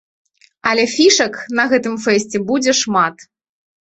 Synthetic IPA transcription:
ɐlʲɛfʲiʂɐknɐɣɛt̪ɨmfɛsʲt͡sʲɛbud͡zʲɛʂmat̪

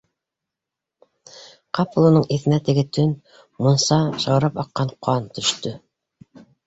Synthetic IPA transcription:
qɑpolˠŭnɤɴiθɘ̆næt̪ɘ̆ɡɘt̪ɵn | monsɑʃɑwɾɑpɑqːɑɴqʰoɑnt̪ɵ̆ʃt̪ɵ

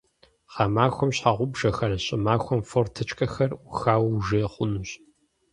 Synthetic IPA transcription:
χɑːmaːxʷɔmɕħaʁʷʊbʒɐxɐrɕʼɪmaːxʷɔmfortʰɨt͡ʃʼkʼɐxɐruxaːwʒɐχʷʊnuɕ

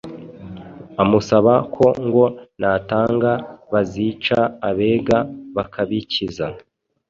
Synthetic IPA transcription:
amusaβakʰo̞ŋɡo̞nataːŋɡaβazit͡ʃaːβe̞ːɡaβakʰaβiciza

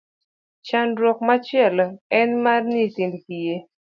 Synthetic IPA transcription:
t͡ʃanɾwɔkmat͡ʃɪɛlɛnmarnitindkije

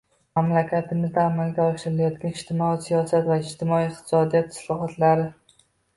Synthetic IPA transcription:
mamlakʲʰat̪ʰɪmɪzd̪aːmalɡʲaɒʃɪɾɪlajɒt̪ɡʲanɪʃt̪ʰɪmɒisijɒsat̪vaɪd͡ʒt̪ʰɪmɒiɪq̚t̪ʰɪ̥sɒd̪ijat̪ʰːɪ̥slˠɒχɒt̪ʰlaɾɪ

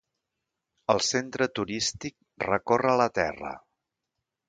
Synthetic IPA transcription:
əlˠsent̪ɾət̪uɾist̪ik̚ | rəkorələt̪ɛ̰rə̰

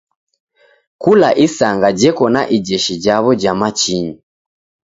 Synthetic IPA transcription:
kulaʔisaŋɡad͡ʒɛkɔnaʔid͡ʒɛʃid͡ʒaβɔd͡ʒamat͡ʃiɲi

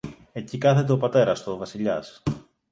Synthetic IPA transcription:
e̞cikɐθe̞t̪̬e̞o̞pɐt̪e̞ɾɐst̪ovɐsiʎɐ̰s

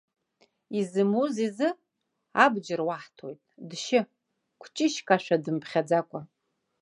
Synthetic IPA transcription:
izɨmuzizɨ | abd͡ʒɪrwaħtʰojtʼdʃɪ | kʷʰt͡ʃʼɪʃkʼaʃʷᶣadɨmpʰχʲad͡zakʷʼa

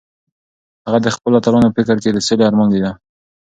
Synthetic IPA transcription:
haɣad̪əxpəlat̪alɑnopɪkɾked̪əseleaɾmɑnd̪ed̪a

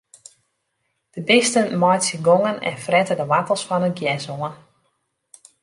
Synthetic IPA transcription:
d̥əbɪstənmɔjtsəɡoŋənɛ̰nfrɛtədəʋatəlˠsfɔnənɡjɛsoən

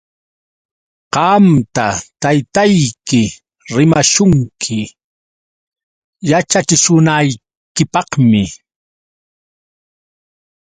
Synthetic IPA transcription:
qɑmt̪at̪ajt̪ajkɪ | ɾɪmaʃʊŋkʰɪ | jat͡ʃat͡ʃɪʃʊnaj | kɪpɑχmɪ

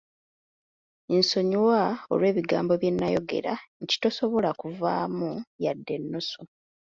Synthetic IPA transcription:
enso̞ɲuwao̞̰lwe̞ːβiɡaːmbo̞βje̞nːajo̞ɡe̞̰ɾaɲci̥to̞so̞βo̞lakuvaːmujadːe̞nːoso

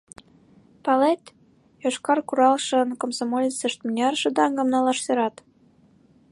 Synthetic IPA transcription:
pɑlet̪ | joʃkɑrkuɾɑlʃə̆nkomsomolʲit͡səʃt̪mnʲɑrʃɤ̆d̪ɑŋɡɤ̆mnɑlɑʃseɾɑt̪

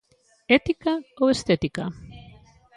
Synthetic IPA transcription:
et̪ikaoest̪et̪ika

